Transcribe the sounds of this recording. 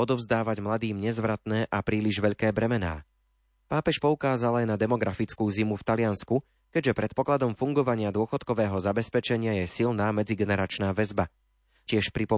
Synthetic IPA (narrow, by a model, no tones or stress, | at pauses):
ɔd̪ɔvzd̪aːʋaɟmlad̪iːmɲɛzʋɾat̪nɛːʔapɾiːliʒʋɛʎkɛːbɾɛmɛna̰ː | paːpɛʃpɔukaːzalajnad̪ɛmɔɡɾafit͡skuːzimuft̪alɪansku | kɛɟʒɛpɾɛt̪̚pɔklad̪ɔmfuŋɡɔʋaɲɪad̪ʊɔxɔt̪kɔʋɛːɦɔzabɛspɛt͡ʃɛɲɪajɛsilnaːmɛd͡ziɡɛnɛɾat͡ʃnaːʋɛzba | cɪɛʃpɾipɔ